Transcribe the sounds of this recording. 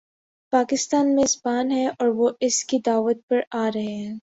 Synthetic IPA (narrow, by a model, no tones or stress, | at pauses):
paːkɪst̪aːnmẽzbaːnɦɛʔɔːɾʋoʔɪskid̪aːʋət̪̚pɐɾaːɾɐɦeɦɛ̃ː